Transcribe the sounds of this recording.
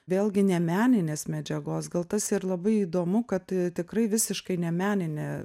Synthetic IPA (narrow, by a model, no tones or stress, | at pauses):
ʋʲeːlʲˠɡʲɪnʲɛmʲæːnʲɪnʲeːsmʲɛd͡ʒʲɛɡoːsɡɐlˠt̪ɐsirlˠɐbɐɪiːd̪oːmʊkɐt̪t̪ʲɪkrɐɪʋʲɪsʲɪʃkɐɪnʲɛmʲæːnʲɪnʲe